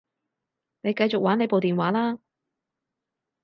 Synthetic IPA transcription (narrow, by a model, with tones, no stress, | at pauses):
ne˨˧jkɐ˧jt͡ʃʊ˨k̚waː˨˥ne˨˧jpo˨wt̪iː˨nwaː˨˥laː˥